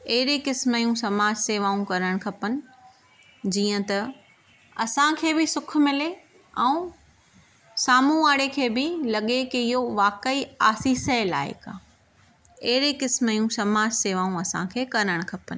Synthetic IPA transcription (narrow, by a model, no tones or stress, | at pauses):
ɐɦɪɾekɪsmjũsɐmaːd͡ʑseːʋaːũkɐɾəɽ̃kʰɐpənɪ̆ | d͡ʑiːə̃t̪ɐ | ɐsãkʰeːbɪsʊk̆ʰmɪle | ɛ̃ː | saːmũaːɽekʰeːbɪlɐɠekeɪɦoʋaːkəiaːsiːsəla̰ːɪ̰ka̰ː | ɐɦɪɾekɪsmjũsɐmaːd͡ʑseːʋaːũɐsã̰kʰeːkɐɾəɽ̃kʰɐpənɪ̆